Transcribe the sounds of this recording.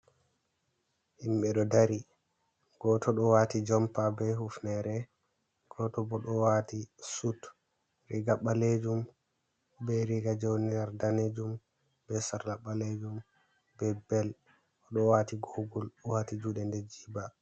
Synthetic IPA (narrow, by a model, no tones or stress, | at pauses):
himɓɛɗɔdaɾi | ɡ̥ɔtʰɔɗɔwatid͡ʒɔmpabɛhufnɛɾɛ | ɡ̥ɔtɔbɔɗɔwatisut | ɾiɡaɓaled͡ʒum | bɛɾiɡad͡ʒowniɾaɾdaned͡ʒum | bɛsaɾlaɓːaled͡ʒum | bɛbɛl | ɔɗɔwatiɡoɡulɔwatid͡ʒuɗɛndɛd͡ʒiba